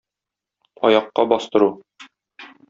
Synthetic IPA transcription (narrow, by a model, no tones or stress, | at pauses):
ɒ̰jɑqːɑbɒst̪ɤ̆ɾu